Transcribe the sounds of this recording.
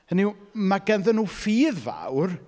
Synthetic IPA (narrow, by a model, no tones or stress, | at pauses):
əniwmaɡɛnðənːuːfiːðva̰wr